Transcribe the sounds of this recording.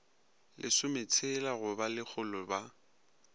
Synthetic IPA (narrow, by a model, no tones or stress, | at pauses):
lʔɪsʊmɪt͡sʰelaɣʊbalɪk͡xʰʊlɔba